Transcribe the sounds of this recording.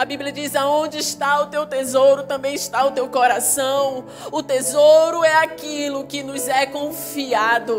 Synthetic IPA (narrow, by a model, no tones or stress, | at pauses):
abiblijɐd͡ʒizaõd͡ʒɪiʃt̪aʊt̪ewt̪ezowɾʊt̪ɐ̃mbẽj̃ɪʃt̪aʊt̪ewkɔɾasɐ̃w̃ | ʊt̪ezoɾʊɛakilʊkɪnʊzɛkõfiad̪ʊ